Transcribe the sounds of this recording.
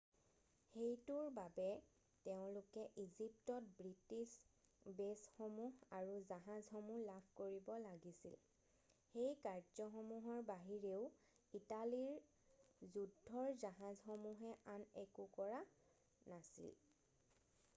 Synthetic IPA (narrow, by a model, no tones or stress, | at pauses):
xejtuɹbabɛ | teʊ̃lʊkɛʔizip̚tɔt̚bɹitisbesxomuɦaɹuzaɦazxomulabʰʱkoɹibɔlaɡisḭl | xejkaɹzɔxomuɦɔɹbaɦiɹeʊ | italiɹ | zudʱːɔɹzaɦazxomuɦɛʔanɛkukɔɹa | nasḭl